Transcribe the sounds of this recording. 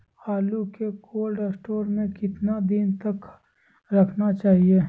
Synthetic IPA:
haːlukekʰoːlɖesʈoːɾmẽkɪt̪nad̪ɪnt̪ɐk | ɾɐkʰnat͡ʃaːɦie

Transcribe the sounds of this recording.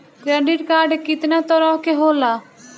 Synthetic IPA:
kɾɛɖɪʈkaːɾɖkɪt̪nat̪ɔɾɔkeɦoːla

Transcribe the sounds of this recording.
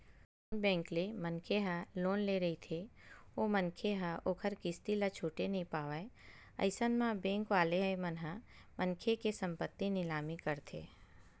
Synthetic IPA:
oːnbɛ̃ːŋklemənkʰeɦaloːnleɾɐɦit̪ʰeomənkʰeɦaʔoːkʰəɾkɪst̪ilat͡ʃʰuːʈenəɦĩpaːʋəe | ɐ̰ɪsənmãbẽːŋkʋaːleɦemənɦa | mənkʰekesə̃mpət̪ːinɪlaːmikəɾt̪ʰḛː

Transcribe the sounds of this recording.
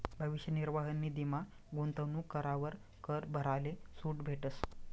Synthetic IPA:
bʱəʋiɕjəniɾʋaɦənːiːd̪ima | ɡunt̪əʋnukəɾaʋəɾ | kəɾbʱəɾalesuːʈbʱeʈəs

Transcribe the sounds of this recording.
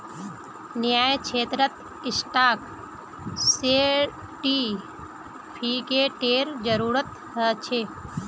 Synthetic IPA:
nɪjaːjkʰeːt̪ɾət̪ | ɪsʈaːk | se | ʈi | pʰiːkeʈeːɾd͡ʒəɾuːɾət̪ | ɦət͡ʃʰeː

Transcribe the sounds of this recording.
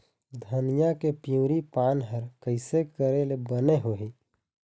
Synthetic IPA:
d̪ʱənjãkepijũːɾipaːnɦəɾkəɪsekəɾelebəneɦoːɦiː

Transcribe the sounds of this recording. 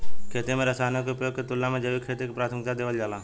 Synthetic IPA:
kʰeːt̪emẽɾɐsaːnekeʊpjoːɡ̚ket̪ʊlːamẽd͡ʒəbikʰeːt̪ekepɾaːt̪ʰəmɪk̚t̪ad̪eːʋəld͡ʒaːlaː

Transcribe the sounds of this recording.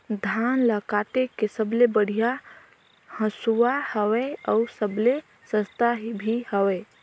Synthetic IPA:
d̪ʱaːnləkat̪ekesəblebəɽ̤ija | hə̃suwahəweɔʊsəble | sə̃st̪aɦibʱihəweː

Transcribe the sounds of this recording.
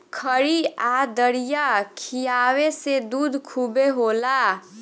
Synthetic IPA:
kʰəɾiad̪əɾijakʰijawesed̪ud̪ʱkʰubeɦola

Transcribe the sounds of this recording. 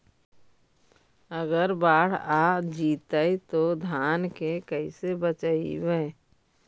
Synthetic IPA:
əɡəɾbaːɽ̤aːd͡ʒiːt̪əit̪od̪ʱaːnkekəisebət͡ʃaḭweː

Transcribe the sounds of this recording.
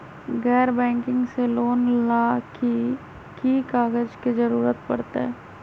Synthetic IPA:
ɡɛːɾbɛ̃ːŋkɪ̃ŋɡseloːnlaːki | kikaːɡəd͡ʒkizɐɾuːɾət̪pɐ̰ɽt̪a̰ɦɛː

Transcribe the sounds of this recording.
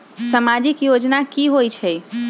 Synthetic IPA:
səmad͡ʒikjod͡ʒnakiɦojt͡ʃʰɛj

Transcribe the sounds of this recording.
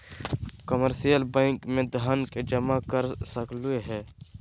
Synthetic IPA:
kəməɾsijəlbɛ̃ːŋkmẽd̪ənked͡ʒəmakəɾsəklueɦɛː

